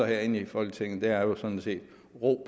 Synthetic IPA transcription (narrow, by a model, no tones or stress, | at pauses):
ɐheɐ̰e̝nəifɒ̽l̰ɡ̥ət͡sʰeŋ̰n̩d̥e̝æɐjo̝sɒ̽d̥n̩se̝̰ːd̥ | ʁo̝̰ːb